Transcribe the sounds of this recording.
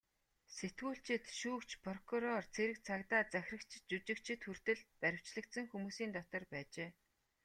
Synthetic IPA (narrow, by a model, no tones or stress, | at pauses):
set̪ɡuːɬt͡ɕɪ̆t̪ʃuːkt͡ɕpʰrɔkʰuɾɔrt͡sʰeɾɘ̆k̚t͡sʰakt̪aːt͡sæxʲrə̆kt͡ɕt͡ɕut͡ɕɪ̆kt͡ɕʰɪ̆t̪xur̥t̪ɘ̆ɮpæɾʲɪ̆w̥t͡ɕɮə̆k̚t̪sə̆ŋxumuːsiːnt̪ɔt̪ɞ̆rpæːt͡ɕeː